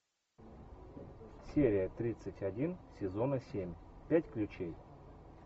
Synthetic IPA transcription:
sʲeɾʲɪjət̪ɾʲit̪sətʲɐdʲinsʲɪzonəsʲemʲpʲætʲklʲʉt͡ɕej

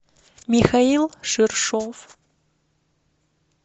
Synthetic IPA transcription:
mixailˠʂɨrʂof

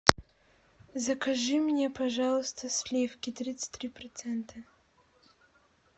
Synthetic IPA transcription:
zɐkʰɐʐɨmnʲɛpʰɐʐalˠɨst̪ʰəslʲefkʲɪt̪ɾʲit̪sɨ̥t̪ʲɾʲiprɐt̪sɛnt̪ʰɐ

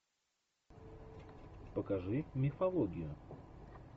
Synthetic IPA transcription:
pəkɐʐɨmʲɪfɐlˠoɡʲɪjʊ

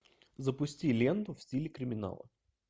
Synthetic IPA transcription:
zəpʊsʲtʲilʲend̪ʊfsʲilʲɪkɾʲɪmʲɪna̰lˠə̰

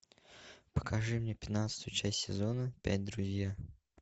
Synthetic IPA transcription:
pə̥kʰɐʐɨmnʲepʲɪ̥t̪nat̪sə̥t̪ʊjʊt͡ɕæsʲtʲsʲɪzo̞nəpʲæ̰t̚ʲd̪ɾʊzʲja

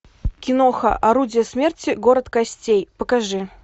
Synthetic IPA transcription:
kʲɪnoxɐ̰ʔɐɾudʲɪjəsmʲe̞rtʲɪɡo̞ɾət̪kɐsʲtʲejpəkaʐɨ

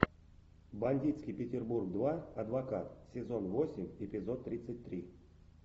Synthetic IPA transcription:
banʲdʲit̪skʲijpʲɪtʲɪrburɡ̚d̪vaɐd̪vakat̪sʲɪzo̞nvosʲɪmʲɪpʲɪzot̪ːɾʲit̪sət̚ʲt̪ɾʲi

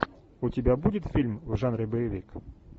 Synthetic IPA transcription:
ʊtʲɪbʲabudʲɪt̪fʲilʲmvʐanɾʲɪbəjɪvʲik

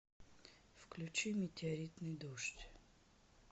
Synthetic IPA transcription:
fklʲʉt͡ɕimʲɪtʲɪɐɾʲit̪nɨjd̪uʂtʲ

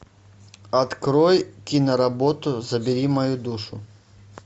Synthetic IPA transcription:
ɐt̪kɾɔjkʲinɐɾɐbɔt̪ʊzɐbʲɪɾʲimɐjud̪uʂʊ̰

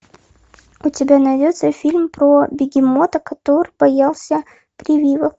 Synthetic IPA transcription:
ʊtʲɪbʲanɐjdʲot̪səfʲilʲmpɾobʲɪɡʲɪmot̪əkɐt̪oɾɨb̥ɐjalˠsʲə | pɾʲɪvʲivək

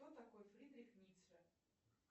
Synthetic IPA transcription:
ot̪ɐkojfɾʲid̪ɾʲixnʲit̪sə

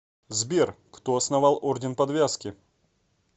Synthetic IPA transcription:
zbʲerkt̪oɐsnɐvalˠordʲɪnpɐd̪vʲaskʲɪ

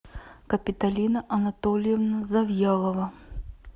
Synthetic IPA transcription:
kɐpʲit̪alʲinɐʔɐnat̪ɔlʲjɛvnɐzɐvjalˠɐvɐ

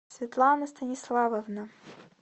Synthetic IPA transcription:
sʲvʲit̪lˠɑnɐst̪ɐnʲislˠɑvɐvna

